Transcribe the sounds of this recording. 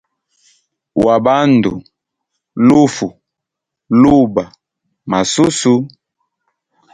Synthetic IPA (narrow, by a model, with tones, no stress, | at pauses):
wa˨ba˦n˨du˨ | lu˦fu˨ | lu˦˨ba˨ | ma˨su˦su˦